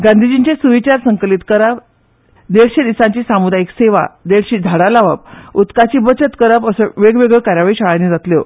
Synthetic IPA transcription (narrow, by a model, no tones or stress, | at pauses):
ɡãnd̪ʱid͡ʑiɲt͡ɕesuʋit͡ɕaɾsəŋklit̪kəɾap | d̪eɽɕed̪isãɲt͡ɕiːsamud̪ʱaekseʋa̰d̪eɽɕiːd͡z̪ʱaɽalaʋə̰put̪kat͡ɕiːbət͡ɕət̪kəɾapəsəʋeɡʋeɡɭəɭkaɾjaʋɭiɕaɭaned͡zat̪ljo